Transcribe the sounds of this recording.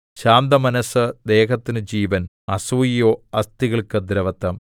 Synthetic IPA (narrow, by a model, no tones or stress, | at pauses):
ɕaːmd̪ɐmɐnɐsɨd̪e̞ːɦɐt̪ːinɨd͡ʑiːʋɐn | ɐsuːijoːɐst̪iɣɐɭkɨd̪ɾɐʋɐt̪ːɐm